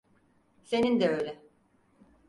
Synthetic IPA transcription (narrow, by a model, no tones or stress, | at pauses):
se̞nind̪ɛøjlʲɛ